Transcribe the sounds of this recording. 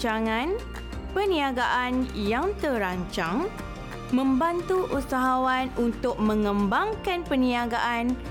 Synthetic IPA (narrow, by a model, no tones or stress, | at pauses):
aŋãn | pənĩaɡaʔanjaŋt̪əɾaɲt͡ʃaŋ | mə̃mbant̪uʔusaɦawanunt̪ʊk̚mə̃ŋə̃mbaŋkanpənĩaɡaʔan